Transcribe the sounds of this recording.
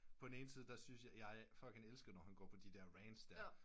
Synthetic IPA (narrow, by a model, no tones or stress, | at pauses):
pʰɒ̽d̥ne̝ːn̩siːð̞ˠd̥æsynsjɑɪjɑ̈ɪfɒ̽l̰ɡ̥hænelsɡ̥ð̩ˠnɒhænɡ̥ɒ̰ːpʰɒ̽d̥id̥ɛɐʁɛnsd̥æ